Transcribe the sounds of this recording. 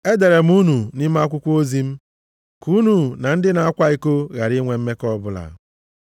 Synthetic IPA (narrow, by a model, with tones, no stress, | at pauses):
e˦de˨ɾe˨m̩˦u˦nu˨nɪ˦m˦a˦kʷʊ˦kʷo˦zi˦m̩˦ | ku˦nu˨na˨n̩˦dɪ˦na˨a˦kʷa˦i˦ko˦ɣa˨ɾɪ˦ŋʷe˨m̩˦me˦kɔ˦bʊ˦la̰˨